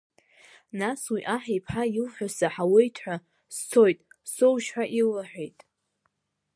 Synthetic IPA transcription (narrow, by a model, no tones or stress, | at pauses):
naswiʔaħijpʰħailħʷᶣasaħawejtʰħʷᶣa | st͡sʰo̞jtʼsowʃħʷᶣaʔillaħᶣʷe̞jtʼ